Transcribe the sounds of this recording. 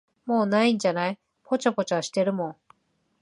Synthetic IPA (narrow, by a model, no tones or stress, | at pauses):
mo̞ːnaĩɲ̟d͡ʑanai | pʰo̞t͡ɕapo̞t͡ɕaaɕi̥t̪e̞ɾɯ̟mõ̞ŋ